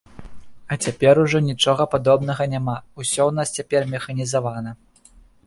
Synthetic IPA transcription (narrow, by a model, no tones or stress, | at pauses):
ɐt͡sʲapʲɛɾuʐɔnʲit͡ʂɔɣɐpad̪ɔbn̪ɐɣɐnʲamausʲɔwnast͡sʲapʲɛrmʲɛxɐnʲizavanɐ